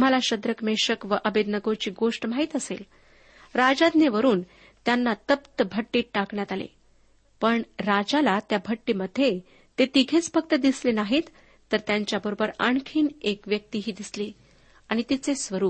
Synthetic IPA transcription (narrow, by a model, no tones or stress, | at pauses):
t̪um̤alaɕəd̪ɾəkmeɕəkʋəʔəbed̪nəɡot͡ɕiːɡoʂʈmaɦit̪əsḛl | ɾad͡zad̪neʋəɾuːn | t̪janːat̪əpt̪əbʱəʈːiːakɳjat̪alḛ | pəɳɾad͡ʑalat̪jabʱəʈːiːməd̪ʱːje | t̪et̪iɡʱet͡sbʰək̚t̪əd̪islenaɦit̪ː | əɾt̪jaɲt͡ɕjabəɾobəɾa̰ɳkʰiːnekʋjək̚t̪iɦiːd̪isli | aɽ̃it̪it͡sesʋəɾuːp̚